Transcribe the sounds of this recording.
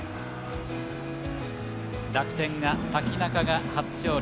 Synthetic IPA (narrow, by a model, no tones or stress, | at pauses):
ɾakɯ̟̥t̪ẽ̞ŋɡat̪akʲinakaɡakat͡sɨ̥ɕo̞ː